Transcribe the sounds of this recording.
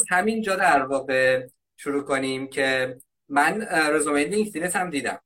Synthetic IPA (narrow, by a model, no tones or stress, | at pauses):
zhæmind͡ʒɒːd̪æɾvɒːɣe̞ | ʃuɾuːkʰonimcʰe̞ | mænɾezomenliŋkd̪inesʰæmd̪iːd̪æ̰m